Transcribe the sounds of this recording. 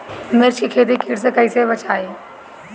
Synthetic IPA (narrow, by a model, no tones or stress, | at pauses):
meɾt͡ʃʰikʰeːt̪ikʰiʈs̬ekɐisebət͡ʃʰaːeː